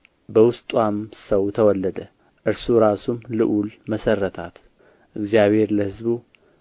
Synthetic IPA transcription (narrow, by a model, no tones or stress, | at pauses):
bəwʊst̪ʼwamsɐwt̪ʰəwɔlːəd̪ə | ʔɨɾsuɾasumlɨʔulmɐsɐrːət̪ʰat̪ | ʔɨɡzijaβhe̞ɾləhɨzbu